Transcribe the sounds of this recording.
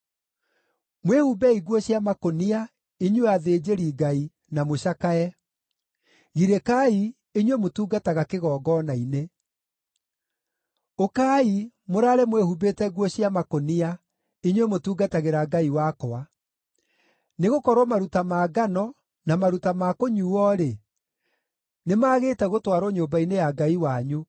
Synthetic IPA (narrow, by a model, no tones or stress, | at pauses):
mwehubɛiɣwɔɕiamakonia | iɲweaðeːd͡ʑeɾiɡai | namoɕakaɛ | ɣiɾekai | iɲwemotuːɡataɣakeɣɔːɡɔnaine | okai | moɾaːɾemwehubetɛɣwɔɕiamakonia | eɲwemotuːɡataɣeɾaɡaiwakɔa | neɣokɔɾwɔmaɾutamaːɡanɔ | namaɾutamakoɲuɔːɾe | nemaːɣeːtɛɣotwaɾoɲoːbainejaɡaiwaɲu